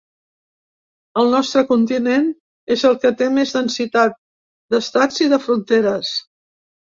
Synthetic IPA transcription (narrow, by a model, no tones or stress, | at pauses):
əlˠnɔst̪ɾəkunt̪inen | ezəlˠkət̪emezðənsit̪at̪̚ | d̪əst̪ad͡ziðəfɾunt̪eɾəs